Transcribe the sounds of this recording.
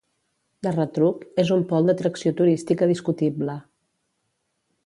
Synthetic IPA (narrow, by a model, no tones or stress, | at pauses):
d̪ərət̪ɾukezumpɔlˠd̪ət̪ɾəksiot̪uɾist̪ikəðiskut̪iblə